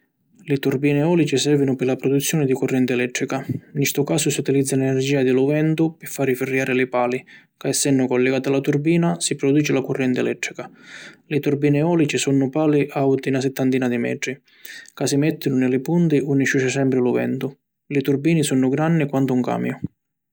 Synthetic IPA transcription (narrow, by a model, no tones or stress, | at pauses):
lɪt̪urbiːnɪɔːlit͡ʃisɛrvɪnʊpɪlapɾɔd̪ut̪sːjɔːnɪd̪ikʊrːɛnt̪ɪɛlɛt̪ːɾikanist̪ʊkaːsʊsiut̪ilid̪zːalɛnɛrd͡ʒiːad̪ɪluvɛnt̪ʊpɪfːaːɾifɪrːjaːɾɪlɪpaːli | kaɛsːɛnːʊkɔlːɛɡaːt̪alat̪urbiːnasipɾɔd̪uːt͡ʃɪlakʊrːɛnt̪ɪɛlɛt̪ːɾikalɪt̪urbiːnɪɔːlit͡ʃisunːʊpaːliʔawt̪inasɛt̪ːant̪iːnad̪imɛ̰ːʈ̪ɾi | kasimɛt̪ʰːɪnʊnɪlɪpunt̪ɪunːɪʃuʃɪsɛmpɾɪluvɛ̰nt̪ʊ | lɪt̪urbiːnɪsunːʊɡɾanːɪkwant̪ʊuŋka̰ːmjʊ